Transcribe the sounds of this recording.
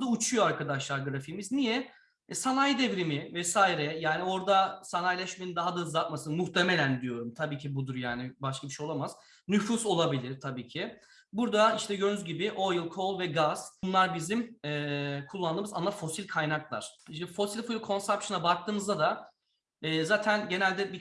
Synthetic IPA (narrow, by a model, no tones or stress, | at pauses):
d̪aut͡ʃʰujo̞aɾkad̪aʃlˠaɾɡɯɾafiːmiznijɛ | sanajd̪evɾimɪvɛsaːiɾɛjaːnio̞ɾd̪asanajlʲɛʃmenind̪aɦad̪aɯzat̪̚masɯnmuht̪ʰeme̞lʲænd̪ijo̞ɾumt̪ʰabiːcʰibud̪uɾjaːnɪbaʃkʰabiʃejo̞lˠamaz̥ | nyfuso̞lˠabilʲiɾ̥t̪ʰabiːcʰɪ | buɾd̪aiʃt̪ʰɛjønyzɟibɪʔo̞jɯlˠkʰo̞lˠvɛɡaz̥nlˠaɾbizimɛːkʰulˠːand̪ɯːmɯza̰nlˠafo̞silʲkʰajnaklˠa̰ɾ̥ʃnfo̞silʲfulʲkʰo̞nsɛpʃɯnabak̚t̪ʰɯːmɯzd̪ad̪a | ɛːzaːt̪ʰænɟe̞nælʲd̪ɛbi